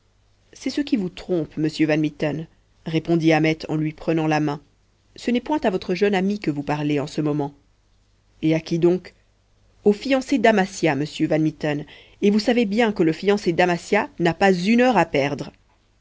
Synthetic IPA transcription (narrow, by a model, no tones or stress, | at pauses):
sɛsəkʲivut̪χɔ̃pməsjøvanmit̪ɔn | ʁepɔ̃d̪iamɛt̪ʰɑ̰̃lɥipχənɑ̃lamɛ̃ | sənɛpwɛ̃t̪avɔt̪χəʒœnamikəvupaʁleɑ̃səmɔmɑ̃ | eakʲid̪ɔ̃k | ofijɑ̃sed̪amasjaməsjøvanmit̪ɔn | evusavebjɛ̃kələfijɑ̃sed̪amasjanapazynœʁapɛʁd̪ʁ